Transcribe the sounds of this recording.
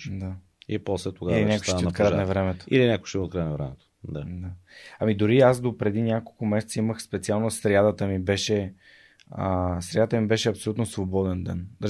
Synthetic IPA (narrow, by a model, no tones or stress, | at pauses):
d̪a | ipɔslɛt̪oɡailinʲakoʃaot̪kɾanɐvɾɛmɛt̪o̥ḭlinʲakojʃt̪imot̪kɾajnɐvɾɛ̰mɛt̪o̥d̪ad̪aɐmid̪ʊɾiasd̪opɾɛd̪inʲakolˠkʊmɛsɛt̪səiməxspɛt̪sialˠnosɾjad̪ət̪əmibɛʃɛ | əsɾjad̪ət̪əmibɛʃɛɐpsolʲut̪nosvobɔd̪ɛnd̪ɛnd̪ə